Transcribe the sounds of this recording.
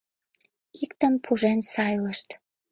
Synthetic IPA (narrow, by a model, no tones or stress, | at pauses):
ikt̪əmpʰuʒensɑjləʃt̪